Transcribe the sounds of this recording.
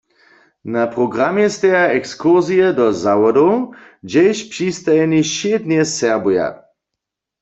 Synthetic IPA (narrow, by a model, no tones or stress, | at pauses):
napʁɔɡʁamjɛst̪ɛjaɛkskuʁzijɛdɔzawɔdowd͡ʒɛjʃpʂist̪ajɛniʃed̪njɛsɛʁbuja̰